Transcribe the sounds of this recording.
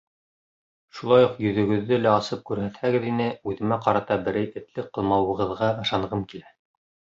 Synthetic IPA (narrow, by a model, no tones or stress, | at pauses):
ʃulˠɑjuqjɵ̆ðɵ̆ɡɵ̆ðːɘlæɑsɤp̚kʉɾhæt̪hæɡɘðinɘʉðɘ̆mæqɑɾɑt̪ɑbɘ̆ɾæjɘ̆t̪lɘqːɤ̆lˠmɑwɤ̆ʁɤ̆ðʁɑɤ̆ʃɑɴʁɤmkilæ